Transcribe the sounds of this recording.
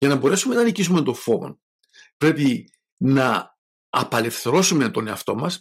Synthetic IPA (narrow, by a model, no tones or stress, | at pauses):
ʝɐnɐbo̞ɾe̞sume̞nɐnicis̬umet̪o̞ɱfo̞vo̰n | pɾe̞pi | nɐ | ɐ̰pɐle̞fθe̞ɾo̞sume̞t̪o̞ne̞ɐft̪o̞mɐs